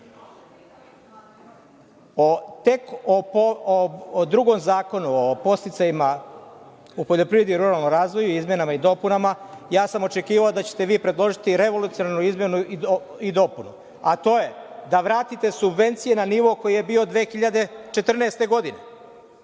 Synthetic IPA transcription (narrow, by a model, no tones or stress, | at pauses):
ot̪e̞koood̪ɾuɡo̞mzaːko̞nuopo̞st̪it̪sajima | upoʎo̞pɾiʋe̞d̪iiɾuɾalˠno̞mɾaːzʋo̞juizmʲje̞namaid̪o̞punamajaːsamo̞t͡ʃe̞kiːʋaod̪at͡ɕet̪e̞ʋiːpɾe̞d̪lˠo̞ʒit̪iɾe̞ʋo̞lut̪sionaɾnuizmjenuio | id̪o̞punu | at̪o̞je̞d̪aʋɾaːt̪it̪e̞subʋe̞nt̪sije̞naniːʋo̞ko̞jije̞biːo̞d̪ʋe̞ːxiʎad̪e̞t͡ʃe̞t̪r̩neːst̪e̞ɡo̞d̪ine̞